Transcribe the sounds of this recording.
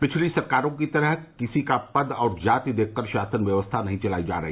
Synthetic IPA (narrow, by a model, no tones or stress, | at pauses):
pɪt͡ʃʰlisɐɾkaːɾõk̬it̪ɐɾəɦkɪsikapɐd̪ɔːɾd͡ʒaːt̪id̪eːkʰkəɾʃaːsənʋjɐʋəst̪ʰanɐɦĩt͡ʃɐlaːid͡ʒa̰ːɾɐɦiː